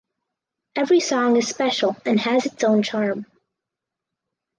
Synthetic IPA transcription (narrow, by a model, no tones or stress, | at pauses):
ɛvɹisɔ̃ŋɨz̥spɛʃl̩ˠɨ̃nɨzɨtsõʊ̃nt͡ʃʰɑɹm